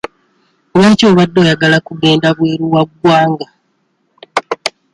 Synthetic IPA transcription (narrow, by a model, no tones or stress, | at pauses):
oβeːcoːβadːo̞ːjaɡalakuɡe̞ːndaβwe̞ːɾuwaɡwaːŋɡa